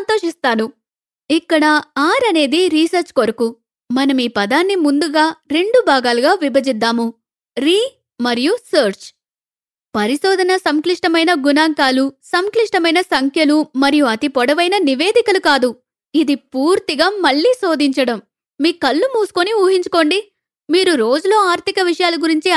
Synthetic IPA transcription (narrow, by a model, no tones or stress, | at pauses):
nt̪o̞ːʂist̪aːnu | ikːɐɽɐaːɾɐne̞ːd̪iɾiːsɐɾt͡ʃkoɾɐku | mɐnɐmiːpɐd̪aːnːimund̪uɡaːɾe̞ɳɖubʱaːɡaːluɡaːʋibʱɐd͡ʒid̪ːaːmu | ɾiː | mɐɾijusɐːɾt͡ʃ | pɐɾisoːd̪ʱɐnɐsɐmkliʂʈɐmɐjnɐɡunaːŋkaːlusɐmkliʂʈɐmɐjnɐsɐŋkʰjɐlumɐɾijuɐt̪ipɔɽɐʋɐjnɐniʋe̞ːd̪ikɐlukaːd̪u | id̪ipuːɾt̪iɡaːmɐɭːiːso̞ːd̪iɲt͡ʃɐɽɐmː | iːkɐlːumuːsu̥koniuːɦiɲt͡ʃu̥ko̞ːɳɖi | miːɾuɾo̞ːd͡ʒulo̞ːaːɾt̪ʰikɐʋiʂɐjaːlɐɡuɾiɲt͡ʃi